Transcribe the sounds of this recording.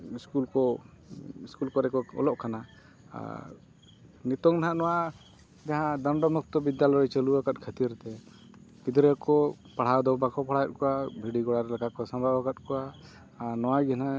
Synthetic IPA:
iskulkɔ | iskulkɔɾɛkɔɔ̰lɔʔkʰana̰ | nit̪ɔŋnaɦãʔnɔwa | d͡ʒaɦãd̪ɔɳɖɔmuk̚t̪ɔbid̪jalɔjt͡ʃəluwakat̪̚kʰət̪iɾt̪ɛ | k̪id̪ɾɛkɔ | paɽ̤awd̪ɔwbakɔpaɽ̤ajɛt̪̚kɔabʱiɖiɡɔɽaɾɛlɛkakɔsambʱabakat̪̚kɔwaː | nɔwaɡɛna

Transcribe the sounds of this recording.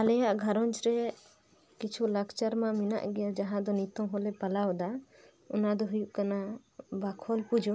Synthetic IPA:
alɛjaʔɡʱaɾɔnt͡ʃɾɛ | kit͡ʃʰulakt͡ʃaɾmãmina̰ʔɡɛjad͡ʒaɦãd̪ɔnit̪ɔmɦɔlɛpalawd̪a | ɔnad̪ɔɦujuʔkanabakʰɔlpud͡ʒʱɔ

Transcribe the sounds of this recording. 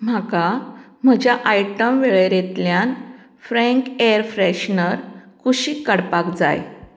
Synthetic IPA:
m̤akam̤əd͡ʑjaʔajʈəmʋeɭeɾet̪ljan | fɾɛ̃ŋkeəɾfɾɛɕnəɾkʰuɕiːkːəɽpakd͡za̰j

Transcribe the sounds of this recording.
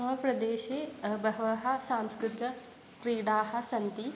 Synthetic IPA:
ɐpɾɐd̪eːʃebɐɦʋaɦɐ̆sãːmskɾɪt̪ɪkɐ | kɾiːɽaːɦɐ̆sɐnt̪i

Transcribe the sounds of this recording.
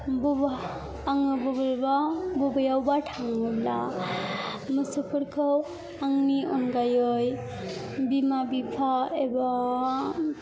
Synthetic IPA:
bubaː | ŋɯbɔbalbabubajawbaʈʰaŋɯbla̰ | mɯsɯpʰɯɾkʰɯw | aŋniʔɔnɡajoj | bimabipʰaeba

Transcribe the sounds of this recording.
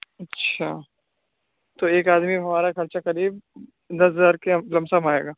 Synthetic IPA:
ɐtːʃʰaː | t̪oːeːkaːd̪miɦɐmaːɾakʰɐɾt͡ʃakɐɾiːb̚ | d̪ɐsɦɐzaːɾkelɐmsamaːḛːɡaː

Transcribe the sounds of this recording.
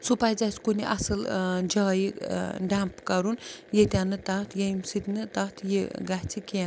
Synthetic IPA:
supajd͡zasʲkunʲiʔɐ̰sɨld͡ʒaːjiɖampkɐɾunjet̪ʲanɨt̪aːt̪ʰjejmsɨt̪ʲnɨt̪at̪ʰjiɡaht͡sʰikʲːn

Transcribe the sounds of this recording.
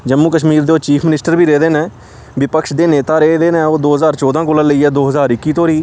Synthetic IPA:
d͡ʒəmːuːkəʃmiːɾd̪eːoːt͡ʃiːpʰmɪnɪsʈəɾbʱiːɾeːd̪eːnɛ̃ː | ʋɪpəkʃd̪eːneːt̪aːɾeːd̪eːnɛ̃ːoːd̪oːɦəzaːɾt͡ʃɔːd̪ãːkoːlãːləiːɛːd̪oːɦəzaːɾɪkːiːt̪oːɾiː

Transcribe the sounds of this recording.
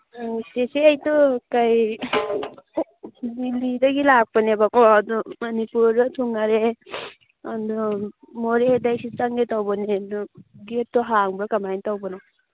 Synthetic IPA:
seseajtɔkaj | bilidaɡilak̚panebakɔadɔmɐnipuɾdɔtʰuŋaɾe | andɔ | mɔɾedajsit͡ʃaŋɡetawbɔnendɔɡet̚tːɔɦaŋbɾakamajntawbɔnɔw

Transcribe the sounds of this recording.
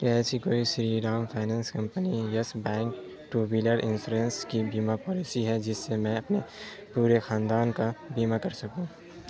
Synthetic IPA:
kɛɦsikoːisɾiɾaːmpʰaːnãːnskɐ̃mpənijɐsbɛ̃ːŋk | ʈuːbiləɾɪ̰nsuːɾenskibiːmapɔːlisiɦɛd͡ʒɪsːemɛ̃ɐpne | puːɾexaːnd̪aːnkabiːmakɐɾsɐkũː

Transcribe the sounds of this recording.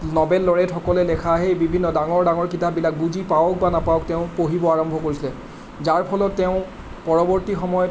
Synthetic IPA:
nɔbɛlːɔɹɛtxɔkɔlɛlɛkʰaːɦɛebibʱinːɔdaŋɔɹdaŋɔɹkitabilak̚buzipawɔk̚banapawɔkteʊ̃poɦibɔaɹɔmbʱɔkoɹisilɛ | zaɹpʰɔlɔtːeʊ̃ | pɔɹɔbɔɹtixɔmɔjɔt

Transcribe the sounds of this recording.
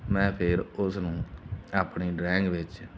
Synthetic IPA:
mɛ̃ːpʰɪɾʊsnũːaːpɳiːɖɾɛːŋɡʋɪt͡ʃ

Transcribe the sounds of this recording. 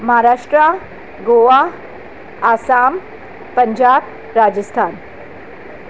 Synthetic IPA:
mɐɦaɾaːʂʈɾa | ɡoʋa | aːsaːm | pɐɲd͡ʑaːb | ɾaːd͡ʒəst̪ʰaːn

